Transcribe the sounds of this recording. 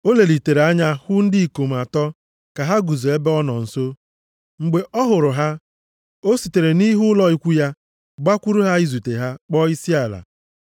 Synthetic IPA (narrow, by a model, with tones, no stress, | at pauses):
o˦le˨li˨te˨ɾe˨a˦ɲa˦hʊ˦n̩˦dɪ˦i˨ko˨m̩˨a˨tɔ˦ | ka˨ɦa˦ɡu˨zo˨e˦be˦ɔ˦nɔ˨n̩˨so˦ | ŋ͡m̩˨ɡ͡be˨ʔɔ˦ɦʊ˨ɾʊ˨ɦa˦ | o˦si˨te˨ɾe˨ni˦ɦʊ˦lɔ˦i˦kʷu˦ja˦ | ɡ͡ba˦kʷu˦ɾu˦ɦa˦i˦zu˨te˨ɦa˦k͡pɔ˦i˦si˦a˨la̰˨